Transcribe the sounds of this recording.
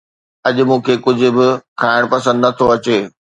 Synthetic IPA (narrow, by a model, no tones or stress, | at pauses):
ɐʄʊ̆mũːkʰeːkʊd͡ʑʱʊ̆bɪkʰaːɪɽ̃pɐsə̃nd̪ɪnɐt̪ʰoɐt͡ɕeː